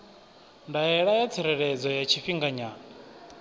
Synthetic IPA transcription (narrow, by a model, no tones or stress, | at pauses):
ndajɛɺajat͡sʰɛɾɛɺɛd͡zɔjat͡ʃʰiɸiŋɡaɲaːnɔ